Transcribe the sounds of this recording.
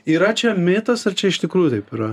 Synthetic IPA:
iːɾɐt͡ʃʲɛmʲeːt̪ɐsɐrt͡ʃʲɛɪʃt̪ʲɪkɾuːjut̪ɐɪpɪɾɐ

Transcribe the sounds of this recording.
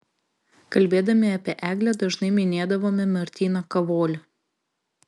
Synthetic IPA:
kɐlʲbʲeːd̪ɐmʲɪɐpʲiɛʔæːɡlʲɛd̪ɐʒnɐɪmʲɪnʲeːd̪ɐʋoːmʲɪmʲɐɾʲt̪ʲiːnɐkɐʋoːlʲɪ

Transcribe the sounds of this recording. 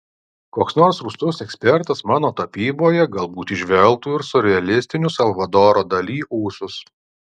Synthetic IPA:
koːksnoːɾsɾuːst̪ʊsɛksʲpʲɛɾt̪ɐsmɑːnoːt̪ɐpʲiːboːjɛɡɐlˠbuːt̪iʒʲʋʲɛlˠˑt̪uːɪɾsɔɾʲɛɐlʲɪsʲt̪ʲɪnʲʊsɐlˠʋɐd̪oːɾoːd̪ɐlʲiːʔuːsʊs

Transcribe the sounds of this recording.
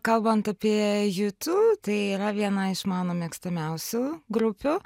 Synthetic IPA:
kɐlˠbɐnt̪ɐpʲiɛjʊt̪uːt̪ɐɪiɾɐʋʲiɛnɐɪʃmɑːnoːmʲiɛkst̪ɐmʲɛʊsʲʊɡɾʊpʲʊ

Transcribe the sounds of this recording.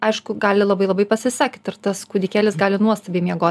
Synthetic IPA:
ɐɪʃkʊɡɑːlʲɪlˠɐbɐɪlˠɐbɐɪpɐsʲɪsɑːkʲɪt̪ɐrt̪ɐskuːd̪ʲɪkʲæːlʲɪsɡɑːlʲɪnuɔst̪ɐbʲeːmʲiɛɡoː

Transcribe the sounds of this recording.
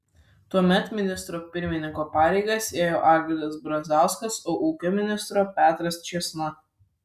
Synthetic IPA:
t̪uɔmʲɛt̪mʲɪnʲɪst̪ɾoːpʲɪɾʲmʲɪnʲɪŋkoːpɑːɾʲɛɪɡɐseːjoːʔɑːɡʲɾʲɪlʲɐsbɾɐnʲzɑˑʊskɐsoːʔuːkʲomʲɪnʲɪst̪ɾoːpʲæːt̪ɾɐst͡ʃʲɛsnɐ

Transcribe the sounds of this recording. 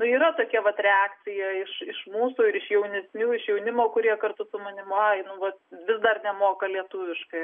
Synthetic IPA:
nʊiːɾɐt̪oːkʲɛʋɐt̪ɾʲɛɑːkt͡s̪ʲɪjɛɪʃɪʃmuːsuːɪɾɪʃjɛʊnʲɛsʲnʲuːɪʃjɛʊnʲɪmoːkʊɾʲiɛkɐrt̪ʊsʊmɐnʲɪmʊɑɪnʊʋɐt̪ʋʲɪsd̪ɐrnʲɛmoːkɐlʲiɛt̪uʋʲɪʃkɐɪ

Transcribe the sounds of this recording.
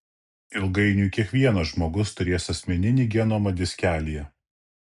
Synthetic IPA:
ɪlˠɡɐɪnʲuːˑkʲiɛkʋʲiɛnɐʒmoːɡʊst̪ʊɾʲeːsɐsʲmʲɛnʲɪnʲiːɡʲɛnoːmɐd̪ʲɪsʲkʲæːlʲijɛ

